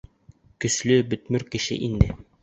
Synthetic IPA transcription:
kɵ̆slɵbɵ̆t̪mɵɾkɘ̆ʃɘ̰ʔind̪ɘ

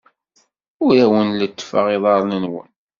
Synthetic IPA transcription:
ʊɾæwənlət͡sːfəʁiðˤɑɾˤnənwə̰n

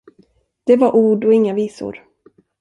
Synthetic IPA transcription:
d̪̥ɛvaɾʔuːɖɔɪŋːaviːsʊ̰ɾ

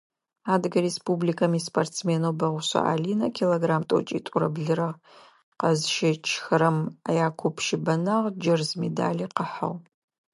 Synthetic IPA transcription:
aːdɡɐɾespublikʰɐmiːspʰʼortt͡smeːnowbɐʁʷʊɕɐ̰ʔa̰ːliːnɐkʰiloɡraːmtʼo̰t͡ʃʼḭtʼʊɾɐ̰bɮɨɾɐʁ | qɐzʃɪt͡ʃʰxɨɾɐmajaːkʷʰʊpʰʃɪbɐnaʁd͡ʒɐrzmeda̰ːliːqəħa̰ʁ

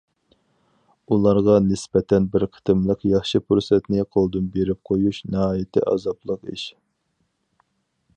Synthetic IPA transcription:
ulˠɑɾʁɑnɪspɛt̪ʰɛnbɪɾqʰə̥t̪ʰɨmlˠəqjɑχʃɨpʰuɾsɛt̪nɪqʰolˠd̪ɨnbeɾɪp̚qʰojuʃnɪɦɑːjɪt̪ʰɪ̰ʔɑ̰zɑplˠəqiʃ

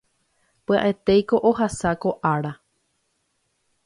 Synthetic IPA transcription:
pɨa̰ʔe̞t̪ejko̞ʔoɦasako̞ʔaɾa

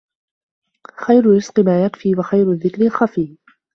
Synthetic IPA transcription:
xajɾʊɾɪsqɪmaːjakfiːwaxajɾʊðːɪkɾɪlxafiː

